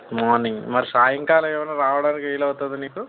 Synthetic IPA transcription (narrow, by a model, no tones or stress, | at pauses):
mɔːniŋɡmɐɾisaːjɐŋkaːlɐeːmɐnaːɾaːʋɐɽaːnikeːjlaɐt̪ad̪uniːku